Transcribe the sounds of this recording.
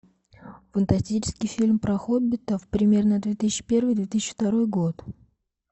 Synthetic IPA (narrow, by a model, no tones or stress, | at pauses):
fənt̪ɐsʲtʲit͡ɕɪ̥skʲɪjfʲilʲmpɾɐxobʲɪt̪əfpɾʲɪmʲe̞rnəd̪vʲe̞t̪ɨsʲɕt͡ɕːɪ̥pʲe̞rvɨjd̪vʲe̞t̪ɨsʲɪt͡ɕːɪft̪ɐɾo̞jɡo̞t̪